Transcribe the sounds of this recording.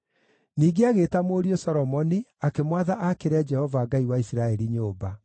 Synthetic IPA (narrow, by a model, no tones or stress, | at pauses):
niːɡeaɣeːtamoːɾiosɔɾɔmɔniakemwaðaʔakeɾɛd͡ʒɛhɔvaːɡaiwaisiɾaɛɾiɲoːba